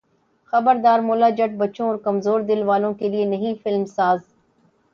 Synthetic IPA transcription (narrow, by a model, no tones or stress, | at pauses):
xɐbəɾd̪aːɾmʊːlaːd͡ʒəʈ̚bɐːt͡ʃõɔːɾkɐmzoːɾd̪ɪlʋaːlõkelienɐɦĩfɪlmsaːz